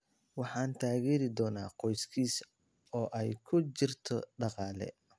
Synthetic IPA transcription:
wɑħɑːnt̪ʰaːɣɛːɾɪd̪ɔːna̰ːqɔjskʰiːs | ɔːʔɛjkʰʊt͡ʃɪrt̪ʰɔɖɑqɑːlɛ̰

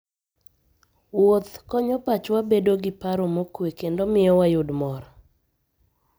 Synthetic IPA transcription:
wot̪kɔɲɔpat͡ʃwabedoɡɪpaɾomokwekendomɪɔwajʊdmɔɾɔ

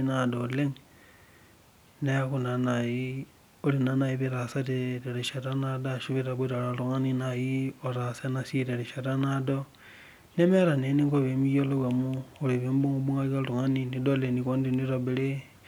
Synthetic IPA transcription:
nadoleŋ | nexunanaji | olinanajiβiɾasateɾeɾeʃeɾanadaʃuβiɾaβeɾaloluŋaninajioɾasanasiɾeɾeʃeɾanado | nemeɾaneniŋɡoβemijoloβamuuliβembuŋubuŋaɣaluŋaninidolenikondiniɾoβele

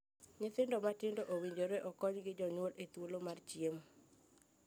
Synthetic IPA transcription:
ɲɪt̪ɪndɔmatɪndoʔowiɲd͡ʒoɾeʔɔkɔɲɡɪd͡ʒɔɲwolet̪wolomart͡ʃiem

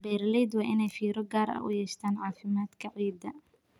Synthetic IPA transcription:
bɛːrlɛd̪wɑːʔɪnɛjfiːɾɔɡaːɾɐ̰ʔʊ̰jɛːʃt̪ʰaːnʕɑːfɪmaːd̪kʰɐʕiːd̪ɐ

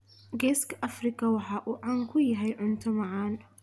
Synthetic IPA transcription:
ɡɛːskʰɐʔɐfrɪkʰɐwɑħɑːʔuːʕɑŋkʰʊjɐɦɛjʕʊnt̪ʰɔmɑʕɑːn

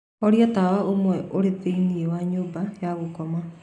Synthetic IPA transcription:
ɔɾiɔtawaomwɛʔoɾeðeiniewaɲoːbajaɣokɔma

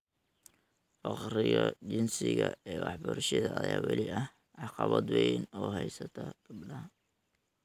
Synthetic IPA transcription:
fɑqrɪɣɐt͡ʃɪnsɪɣɐɛːwɑħbʊɾʃɐðɐːjaːwɑlɪɐh | ʕɑqɑβɐd̪wɛjnɔːɦɛjsɐt̪ʰɐɡ̥ɐbɖɐ

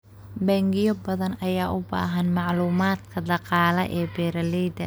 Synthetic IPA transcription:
bɛŋɡɪjɔbɐðɐnɐjaːʔʊba̰ːɦɐnmɑʕluːmaːd̪kʰɐd̪ɑqɑːlɐʔɛːbɛːɾɐlɛjd̪ɐ̰

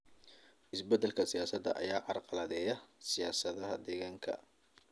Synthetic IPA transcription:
ʔɪsbɛd̪ːɛlkʰɐsɪjaːsɐd̪ɐ̰ʔɐ̰jaːʕɑrqɑlɐðɛːjɐsɪjaːsɐðɐɦɐd̪ɛɣaːŋkʰɐ̰

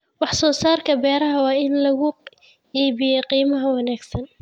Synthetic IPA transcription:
wɑħsɔːsaːrkʰɐbɛːɾɐɦɐwɑːɪnlɐɣʊ | iːbɪjɛqiːmɐɦɐwɑnaːɡsɐn

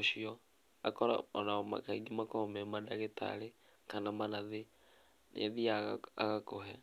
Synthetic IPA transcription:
ʃiɔ | akɔɾa̰ɔnama̰kaiɡimakɔomemadaɣeta̰ɾe | kanamanaðe | nḛaðiaa̰ɣakoɦɛ

